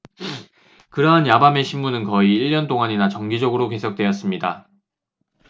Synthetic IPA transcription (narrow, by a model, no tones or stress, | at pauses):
kɯɾʌɦanjabame̞ɕʰimːunɯnkʌiiɭːʌnt͈oŋaɲinat͡ɕʌŋɡid͡ʑʌɡɯɾoke̞sʰʌk̚t͈we̞jʌs͈ɯmɲida